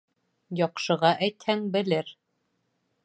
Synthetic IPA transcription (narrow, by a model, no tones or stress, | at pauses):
jɑqʃɤ̆ʁɑʔæjt̪hæŋbɘ̆lɘɾ